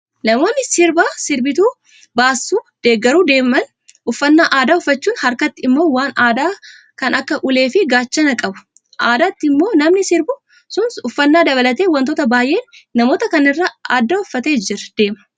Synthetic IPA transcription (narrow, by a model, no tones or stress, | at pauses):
nɐmo̞ːnːɪsɪɾbaːsɪɾbɪt̪uː | baːsːuːd̪̥e̞ːɡːɐɾuːd̪e̞ːmɐn | ʔʊfːɐnːaːʔaːd̪aːʊfːɐt͡ʃːuːnhɐɾkɐt̪ːɪɪmːo̞ːwaːnaːd̪aː | kɐnʔɐkːɐʔʊle̞ːfɪɡaːt͡ʃːɐnɐkʼɐbʊ̥ | ʔaːd̪aːt̪ːɪmːo̞ːnɐmnɪsɪɾbʊ | sʊnsʊfːɐnːaːd̪ɐβɐlɐt̪eːwɐnt̪oːt̪ɐbaːjʔe̞ːnːɐmo̞ːt̪ɐkɐnɪrːaaːd̪ːɐʊfːɐt̪e̞ːd͡ʒɪɾɐ̥d̪̥e̞ːmɐ̥